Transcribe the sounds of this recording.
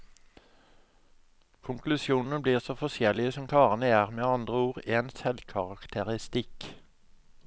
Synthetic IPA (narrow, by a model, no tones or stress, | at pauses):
kʰʊŋklʉsjuːnn̩əbliːʁsoːfɔsjɛlɪəsɔmkʰɑːʁənəæːʁmeːɑnd̪ʁəuːʁeːnsɛlkʰɑʁɑkt̪ʰəʁɪst̪ɪk